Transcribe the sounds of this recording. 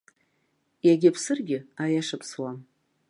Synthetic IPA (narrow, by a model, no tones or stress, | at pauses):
jaɡʲɪpʰsɨrɡʲɪajaʂɨpʰswam